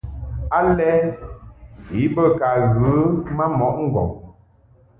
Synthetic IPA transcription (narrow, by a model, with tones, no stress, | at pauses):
a˦lɛ˦ | i˨˦bə˦ka˨ɣə˨˦ma˦mɔ˨˦ʔŋ̩˦˨ɡɔ̰˨